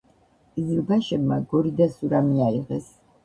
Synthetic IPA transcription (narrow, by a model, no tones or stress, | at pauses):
kʼizilbaʃɛbmaɡɔɾid̪asuɾamiaiʁɛs